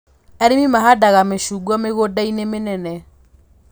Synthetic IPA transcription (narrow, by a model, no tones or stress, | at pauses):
ɛɾimimaɦadaɣameʃuɡɔmeɣodainemenɛnɛ